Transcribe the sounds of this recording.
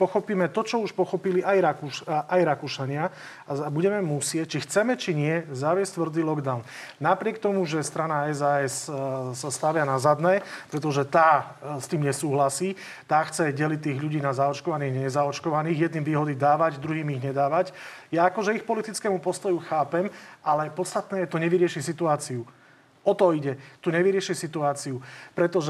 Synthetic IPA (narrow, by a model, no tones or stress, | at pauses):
pɔxɔpiːmɛt̪ɔt͡ʃɔuʃpɔxɔpiliʔajɾakuʃʔajɾakuʃaɲɪa | aabuɟɛmɛmusɪɛc̚t͡ʃixt͡sɛmɛt͡ʃiɲɪɛzaʋɪɛsct̪ʋr̩d͡ziːlɔɡd̪aʊnnapɾɪɛk̚t̪ɔmuʒɛst̪ɾanaɛzaɛsːast̪aʋɪanazad̪nɛːpɾɛt̪ɔʒɛt̪aː | st̪iːmɲɛsuːɦlasiː | t̪aːxt͡sɛɟɛlic̚ʲt̪ːiːɣʎuɟiːnazaɔt͡ʃkɔʋaniːɣɲɛɛzaɔt͡ʃkɔʋaniːɣjɛd̪nimʋiːɦɔd̪iːd̪aːʋaɟd̪ɾuɦiːmiɣɲɛd̪aːʋaɟ | jaakɔʒɛixpɔlit̪it͡skɛːmupɔst̪ɔjuxaːpɛmʔalɛpɔt̪st̪at̪nɛːjɛt̪ɔɲɛʋiɾɪɛʃisit̪uaːt͡siu | ɔt̪ɔiɟɛt̪uɲɛʋiɾɪɛʃisit̪uaːt͡siupɾɛt̪ɔʒɛ